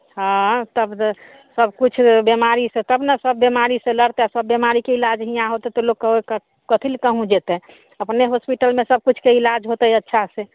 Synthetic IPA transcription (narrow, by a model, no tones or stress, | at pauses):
ɦãt̪əb | səbkut͡ʃʰbemaɾisẽt̪əbnəsəbːemaɾisẽləɽt̪easəbːemaɾikeilad͡ʒɦĩjãɦot̪ɛt̪ɔlokkəɦk | kət̪ʰilkəɦũd͡ʒet̪ɛ | əpneɦospiʈəlmesəb̚kut͡ʃʰkeilad͡ʒɦot̪ɛətːʃʰase